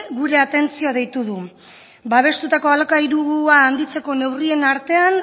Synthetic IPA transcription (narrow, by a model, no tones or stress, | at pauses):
ɣuɾe̞at̪e̞nt͡sioaðe̞jt̪uðu | baβ̞e̞st̪ut̪ako̞alakaiɾuɣuaːnd̪it͡se̞ko̞ne̞wrienaɾt̪e̞an